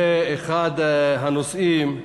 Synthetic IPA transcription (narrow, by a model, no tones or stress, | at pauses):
eeχad̪ɦanosim